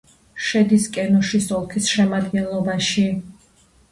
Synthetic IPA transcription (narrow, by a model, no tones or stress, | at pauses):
ʃɛd̪iskʼɛnɔʃisɔlˠkʰisʃɛmad̪ɡɛnlˠɔbaʃi